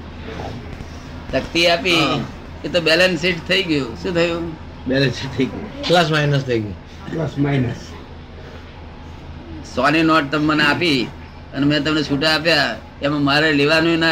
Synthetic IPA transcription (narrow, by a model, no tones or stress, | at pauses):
səkt̪iapi | et̪obɛlənsiʈt̪ʰəiɡjũʃũːt̪ʰəjũ | bɛlənsiʈ̚t̪ʰəiɡjṵ̃pləs̬mainəst̪ʰəiɡjṵ̃ | pləsmajnəs | sɔninɔʈ̚t̪əmːəneapi | ənemɛ̃t̪əmnet͡ʃʰuʈaːpja | emãmaɾeleʋanuina